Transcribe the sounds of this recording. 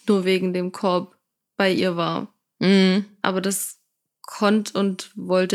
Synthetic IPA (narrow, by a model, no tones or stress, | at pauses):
nuːɐveːɡŋ̩deːmkʰɔɐp | b̥aɪʔiːɐva̰ːɐ | m̩h̩ʔa̰ːbɐdas | kʰɔntʰʊntvɔltə